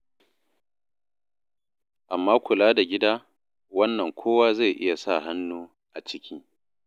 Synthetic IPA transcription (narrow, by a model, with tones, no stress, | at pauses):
ʔa˨mːaː˦kʷʊ˨laː˦da˨ɡʲɪ˦daː˦ | wɐ˦nːɐ˨ŋkʷʰoː˦waː˦za˦˨ʔɪ̰˦ja˨sa˦˨ɦa˦nːuː˦ | ʔa˨t͡ʃɪ˦kʲi˦